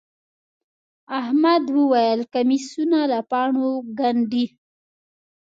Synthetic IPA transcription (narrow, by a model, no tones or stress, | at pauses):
ahmad̪wəwajəlkamisunalapɑɳoɡaɳɖi